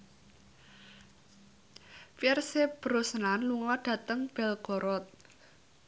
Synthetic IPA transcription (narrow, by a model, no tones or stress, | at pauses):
piɛrseb̥ɾosnanluŋɔɖ̥ä̤t̪əŋb̥ɛlɡ̥ɔ̤ɾɔt̪̚